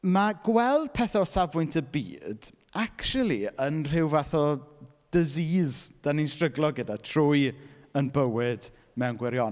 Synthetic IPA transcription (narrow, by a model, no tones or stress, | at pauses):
maɡwɛlˠd̥̚pʰɛθɔsavʊjntʰəbḭːd̥ | akʃulˠiənr̥ɪwvaθɔ | d̥əziːzd̥aninsrəɡlˠɔɡədatʰrʊj | ənbəwɪd̥ | mɛwnɡwɛɾjɔn